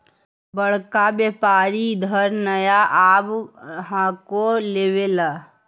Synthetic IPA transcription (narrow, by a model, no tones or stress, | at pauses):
bəɽ̤kabjeːpaːɾid̪ʱəɾnəjaʔaːbɦãkoleːwela